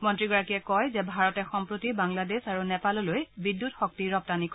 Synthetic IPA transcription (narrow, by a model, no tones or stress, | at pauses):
mɔntɹiɡɔɹakiɛkɔjzɛbʱaɹɔtɛxɔmpɹotibaŋladesaɹunɛpalɔlojbidːutxɔk̚tiɹɔp̚tanik